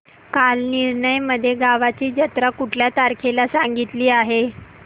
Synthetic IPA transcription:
kalniɾɳəjməd̪ʱːjeɡaʋat͡ɕiːd͡ʑət̪ɾakuʈʰljat̪aɾkʰelasaŋɡit̪liːaɦe

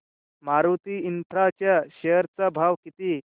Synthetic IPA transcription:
maɾʋt̪iint̪ʰɾat͡ɕjaɕejəɾt͡sabʱaʋkit̪i

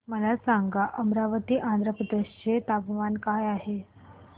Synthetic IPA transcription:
məlasaŋɡaʔəmɾaʋət̪iːʔãnd̪ɾəpɾəd̪eɕt͡ɕet̪abʋankajaɦe

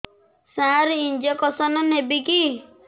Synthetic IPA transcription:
sãɾind͡ʒekɔsɔnɔnɦebiki

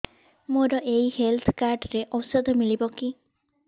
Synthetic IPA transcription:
moɾɔʔejihelt̪ʰkaɾɖɾeʔɔsɔd̪ʱɔmilibɔki

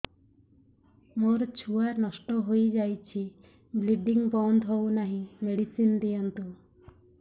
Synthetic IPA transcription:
moɾt͡ʃʰuaɾnɔsʈɔɦojd͡ʒajt͡ʃʰi | bliɖiŋbɔnd̪ɦownaɦĩmeɽisind̪ijant̪u

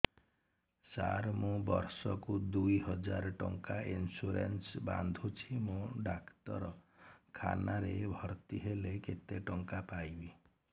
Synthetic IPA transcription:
sa̰ɾmũbɔɾsɔkud̪ujɦɔd͡ʒaɾɔʈɔŋkainsuɾḛnsba̰nd̪ʱut͡ʃʰimũɖakt̪ɔɾɔkʰa̰naɾebʱɔɾt̪iɦeleket̪eʈɔŋkapajbi

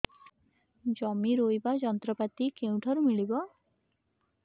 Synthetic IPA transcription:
d͡ʒɔmiɾojbad͡ʒɔnt̪ɾɔpat̪ikew̃ʈʰaɾumiɭibɔ

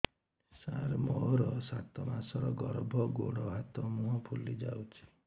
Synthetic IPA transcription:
saɾmɔɦɾɔsat̪ɔmasɔɾɔɡɔɾbʱɔɡoɽɔɦat̪ɔmuɦɔpʰulid͡ʒawt͡ʃʰi̥

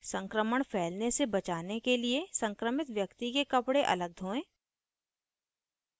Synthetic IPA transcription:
sə̃ŋkɾəməɽ̃pʰɛːlnesebɐt͡ʃaːnekeliesə̃ŋkɾəmɪt̪ʋjɐkt̪ikekɐpɽeʔɐ̰ləɡ̚d̪ʱõːẽː

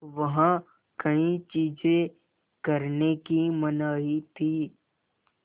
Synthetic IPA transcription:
ʋɐɦã | kɐĩt͡ʃiːd͡ʒẽ | kɐɾnekimɐnaːɦit̪ʰiː

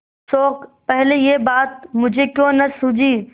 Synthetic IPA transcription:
soːkpɛɦlejebaːt̪̚mʊd͡ʒʱekjõːnɐsũd͡ʒiː

